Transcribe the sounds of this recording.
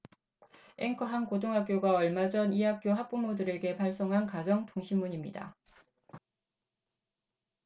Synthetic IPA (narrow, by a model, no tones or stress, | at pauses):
eŋkʰɯɦankotʰoŋɦak͈̚joɡaʌɭmad͡ʑʌniɦak͈̚joɦak̚p͈umodɯɾe̞ɡe̞paɭs͈ʌŋɦankad͡ʑʌŋtoŋɕʰimːuɲimɲida̰